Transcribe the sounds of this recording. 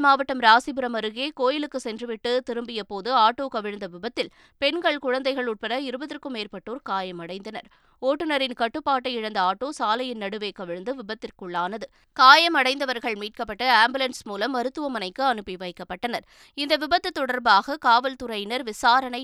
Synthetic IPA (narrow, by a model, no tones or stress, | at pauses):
maːʋɐʈːɐmɾaːsɪbɯɾɐmɐɾɯɣeːkoːjɪlɯkːɯsɛndrɯʋɪʈːɯt̪ɪɾɯmbɪjɐpoːðɯaːʈːoːkɐʋɪɻɯnd̪ɐʋɪbɐt̪ːɪl | pɛnɡɐɭkʊɻɐnd̪ɐɪɣɐɭʊʈ̚pɐɾɐɪɾɯbɐðɪrkːɯmeːrpɐʈːoːɾkaːjɐmɐɽɐɪnd̪ɐnɐ̰ɾ | oːʈːɯnɐɾɪnkɐʈːɯpːaːʈːɐɪɪɻɐnd̪ɐaːʈːoːsaːlɐjɪnnɐɽɯʋeːkɐʋɪɻɯnd̪ɯʋɪbɐt̪ːɪrkɯɭːaːnɐðɯ | kaːjɐmɐɽɐɪnd̪ɐʋɐɾɣɐɭmiːʈ̚kɐpːɐʈːɐaːmbɯlɐnsmuːlɐmːɐɾɯt̪ːɯʋɐmɐnɐɪkːɯɐnɯpːiʋɐɪkːɐpːɐʈːɐnɐɾ | ɪnd̪ɐʋɪbɐt̪ːɯt̪ːɔɽɐɾbaːɣɐkaːʋɐlt̪ʊɾɐɪnɐɾʋɪsaːɾɐnɐɪ